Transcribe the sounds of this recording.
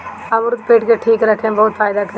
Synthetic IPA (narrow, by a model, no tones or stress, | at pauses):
ɐmɾʊd̪̚peːʈkeʈʰiːkɾəkʰːẽbɔːt̪fʰaːɪd̪akɐɾe